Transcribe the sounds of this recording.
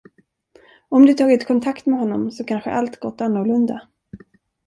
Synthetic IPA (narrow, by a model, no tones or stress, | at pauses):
ɔmd̪ɵt̪ʰɑːɡɪt̪kʰɔnt̪ʰakt̪mɛɦɔnːɔmsɔkʰanɧə̰ʔalt̪ɡɔt̪ːanːɔlɵnd̪a